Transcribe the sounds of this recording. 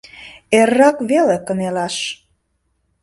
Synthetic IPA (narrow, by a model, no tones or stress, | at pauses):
erːɑkβelekə̆nelɑʃ